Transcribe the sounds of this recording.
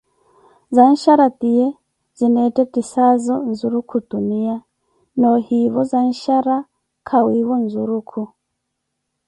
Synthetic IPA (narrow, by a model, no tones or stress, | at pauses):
zan̩ʃaɾatiɛ | zinɛtɛtisazɔnzuɾukʰutunia | nɔhiβɔzan̩ʃaɾa | kʰawiwɔnzuɾukʰu